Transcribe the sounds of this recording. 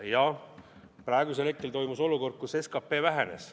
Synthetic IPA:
jɑ | prɾɑeɡus̬e̞lek̪kːˑelt̪o̞jmuso̞luko̞rd̪̚kuse̞skɑpːe̞ːvæɦe̞ne̞̰s

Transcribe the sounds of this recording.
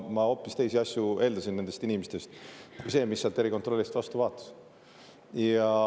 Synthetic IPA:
mɑo̞ːpːˑist̪e̞jsiɑsʲjue̞ːld̪ɑsinnːend̪est̪inʲimest̪est̪ujse̞ːmisːeɑlt̪ːˑe̞ɾiko̞nt̪ro̞lʲːist̪vɑst̪uvɑːt̪ːˑɑ̥s | jɑ

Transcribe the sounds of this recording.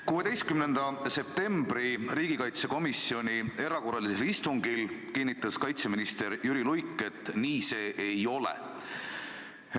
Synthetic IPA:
kuːe̞d̪ejst̪̚kymnend̪̥ɑse̞p̚t̪e̞mb̥ɾiriːɡ̥ikɑjt̪se̞ko̞misio̞nie̞ɾɑko̞rːɑliselist̪uŋɡilkinʲːit̪ːˑɑskɑjt̪se̞minist̪e̞ɾjyɾilujkːˑe̞t̪ːˑniːse̞ːʔejo̞lḛ

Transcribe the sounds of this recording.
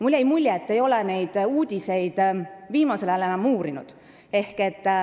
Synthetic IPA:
mulʲːejmulʲːeet̪ːe̞jo̞lene̞jd̪̥uːd̪̥ʲise̞jd̪̥viːmɑse̞lɑælenɑmːuːɾinṵd̪̥ | e̞hket̪ː

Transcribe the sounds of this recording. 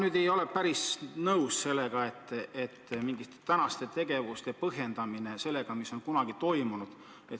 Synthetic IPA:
nyːd̪̥e̞jo̞lepæɾisnɤusse̞lːe̞ɡ̥ɑe̞t̪ˑːet̪ːmiŋɡ̥ist̪e̥t̪ænɑst̪e̞t̪e̞ɡ̥e̞vust̪epɤɦe̞nd̪̥ɑmine̞se̞lːe̞ɡ̥ɑmiso̞nkunɑɡ̥it̪o̞jmunud̪̥ | et̪

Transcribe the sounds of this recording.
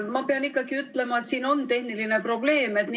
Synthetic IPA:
mɑpeɑnikːˑɑɡ̥iyt̪ːˑle̞mɑe̞t̪siːno̞nt̪e̞hniline̞pro̞b̥le̞ːme̞t̪ni

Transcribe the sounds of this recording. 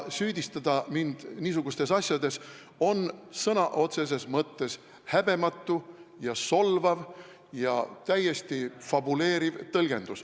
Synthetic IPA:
syːd̪̥ʲist̪ɑd̪̥ɑmind̪̥niːsuɡ̥ust̪e̞sɑsʲjɑd̪e̞s | o̞nsɤnɑʔo̞t̪se̞s̬e̞smɤt̪ːe̞s | hæb̥e̞mɑt̪ːˑujɑso̞lvɑv | jɑ̰t̪æjːe̞st̪ifɑbule̞ːɾivt̪ɤlɡ̥e̞̰nd̪̥us

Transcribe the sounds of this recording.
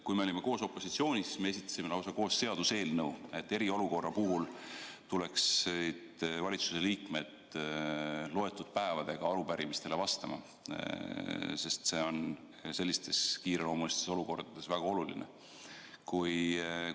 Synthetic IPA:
kujme̞olʲime̞ko̞ːso̞pːˑo̞sit̪sio̞ːnʲissme̞esit̪ːˑɑ̥sime̞lɑwsɑko̞ːsːe̞ɑd̪use̞ːlnɤwe̞t̪ːe̞ɾio̞luko̞rːɑpuɦult̪ule̞ksid̪vɑlʲit̪su̥se̞liːkme̞d̪̥ | lo̞e̞t̪ːˑud̪̥̚pæe̞vɑd̪̥e̞ɡ̥ɑɑɾupæɾimist̪e̞le̞vɑst̪ɑmɑ̰ | se̞st̪se̞o̞n | se̞lːist̪e̞skiːɾelo̞ːmulist̪e̞so̞luko̞rd̪̥ɑd̪̥e̞svæɡ̥ɑo̞lulḭnʔe̞̰ | kuj

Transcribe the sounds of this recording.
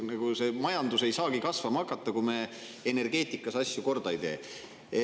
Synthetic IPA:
nɑɡ̥use̞mɑjɑnd̪̥use̞jsɑːkikɑsvɑmɑkːˑɑt̪ːˑɑkume̞ | ene̞rɡ̥e̞ːt̪ˑikːˑɑsɑsʲjuko̞rd̪̥ɑejt̪e̞ː

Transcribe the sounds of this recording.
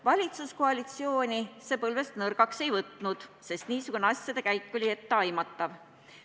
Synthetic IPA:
vɑlʲit̪suskoɑlʲit̪sio̞ːnʲise̞ːpɤlve̞st̪nɤrɡ̥ɑkse̞jvɤt̪nud̪̥se̞st̪niːsuɡ̥uneɑsʲjɑd̪e̞kæjkːolʲie̞t̪ːeɑjmɑt̪ˑːɑv

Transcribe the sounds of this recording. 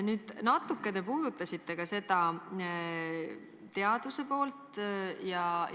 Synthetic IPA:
nyːd̪̥nɑt̪ːˑukːˑe̞d̪e̞puːd̪̥ut̪ːˑɑsʲit̪ːe̞kɑse̞d̪̥ɑ | t̪e̞ɑd̪̥use̞po̞ːlt̪jɑ

